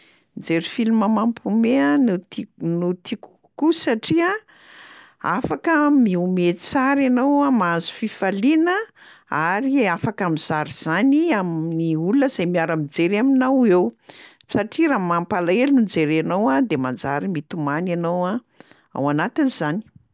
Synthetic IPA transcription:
nd͡zeɾifiluməmampʰumeannut̪iku̥ | kusaʈ͡ʂia | afakəmiumet̪t͡saɾanowamazu̥fifalinə | aɾiafakamiz̥aɾiz̥aniaminiuluəzajmiaɾamid͡zeɾaminawew | saʈ͡ʂiɾamampalaelinund͡zeɾanowad̪emand͡za̰ɾimit̪umananowa | a̰wanat̪iniz̥ani̥

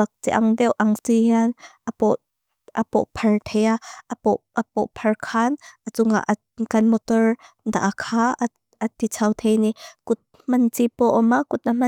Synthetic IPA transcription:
ak̚t͡siʔɐŋdɛwʔɐŋt͡sijanʔɐpɔʔ | ʔɐpɔ̰ʔpʰɐrt̪ʰɛjaʔɐpɔʔʔapɔʔpʰɐrkʰanʔɐt͡sʊŋa̰ʔ | kɐnmɔt̪ɔr | d̪a̰ʔakʰaː | ɐt̪it͡sʰawt̪ʰejniʔkʊt̪̚ | mɐnt͡sipɔʔɔmakʊt̪̚am̥ɐ

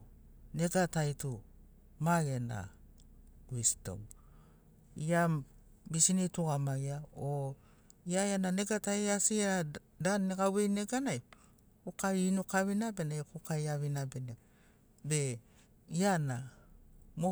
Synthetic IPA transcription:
ne̞ɡatajtu | maɡena̰ | wisto̰w | ia | bisinituɡamajao | iajananeɡatajasiɾa | danːekawejne̞ɡanaj | kokainokaβinabe̞najkokajaβinabena | be̞ | iana | mo

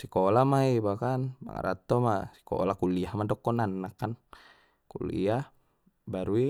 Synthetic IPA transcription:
sikɔlamaibakanma̰ŋa̰ɾa̰t̪ːɔmasi̥kɔ̰lakuliahmadɔkːɔnanːakːan | kṵlḭa | baɾui

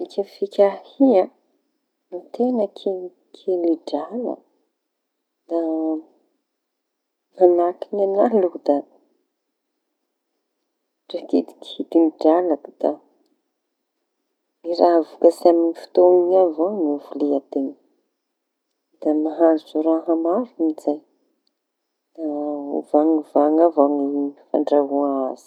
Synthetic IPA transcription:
ikʲəfikʲahiã | nit̪enəkʰi | kʰeliɖ͡ʐalə̰ | d̪̥a | manakinanalud̪a | ʈ͡ʂakid̪i̥kid̪imiɖ͡ʐalakd̪̥a | miɾaɦvukasiaminifi̥t̪oiɲavoŋivuleat̪en | d̪̥amaɦazuzoɾaɦamavimizaj | d̪̥aṵvaŋivaŋavaŋifa̰ɳɖ͡ʐaɦuaaz̥i̥

